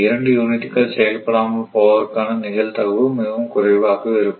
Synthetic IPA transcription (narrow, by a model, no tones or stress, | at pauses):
ɪɾɐɳɖɯjuːnɪt̪ːikːɐɭsɛjɐlpɐɽaːmɐpoːʋɐɾkaːnɐnɪɣɐlt̪ɐʋɯmɪʋɐmkʊɾɐɪʋaːɣɐʋɛɾɯkː